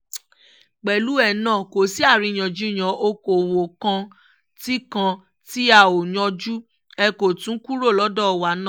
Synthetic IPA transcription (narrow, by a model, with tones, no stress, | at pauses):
k͡pɛ˨lu˨˦ɛ˦˨nã˦˨ko˨si˨˦a˦˨ɾĩ˧˨j̃ɔ̃˨d͡ʒu˦˨j̃ã˨ʔo˧ko˨wo˨kã˧ | ti˦kã˧ | ti˦a˦˨o˨ɲɔ̃˧d͡ʒu˦ | ɛ˧ko˨tũ˨˦ku˦ɾo˦˨lɔ˨˦dɔ˦˨wa˨˦nã˦˨